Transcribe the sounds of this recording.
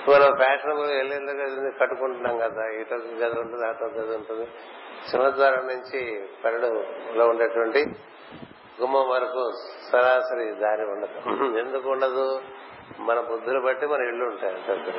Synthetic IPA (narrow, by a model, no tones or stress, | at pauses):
mɐnɐmpʰaːʂɐnkueɭːend̪ɐkeːsind̪ikɐʈːukuɳʈunaːmɡɐd̪aːiʈoːkiɡɐd̪ɐuɳʈund̪aːt̪oːɡɐd̪ɐuɳʈund̪i | simɐt̪ʋaːɾɐmnuɲt͡ʃipɐɾɐɽuloːuɳɖeːʈuʋɐɳʈi | ɡumɐmʋɐɾɐkusɐɾaːsɐɾid̪aːɾiuɳɖɐd̪uend̪ukuːɳɖɐd̪u | mɐnɐpud̪ʱːulubɐʈːimɐnɐmiɭːuːɳʈaːjɐɳtɐːd̪ɐ